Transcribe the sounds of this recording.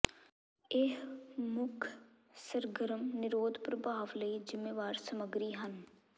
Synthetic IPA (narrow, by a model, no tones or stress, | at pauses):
eɦmʊkʰ | səɾɡəɾəmnɪɾoːd̪ʱpɾəbʱaːʋləid͡ʒɪmːeːʋaːɾsəməɡɾiːɦən